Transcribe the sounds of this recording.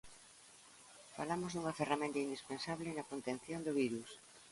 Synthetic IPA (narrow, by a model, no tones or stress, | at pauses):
fa̰lamozðuŋɐferamẽnt̪ɐind̪ispensaβlɪnɐkont̪ẽn̟θjond̪oβiɾus